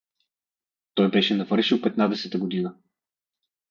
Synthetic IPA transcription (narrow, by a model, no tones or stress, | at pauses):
t̪ɔjbɛʃɛnɐvɤɾʃilˠpɛt̪nad̪ɛsɛt̪əɡod̪inə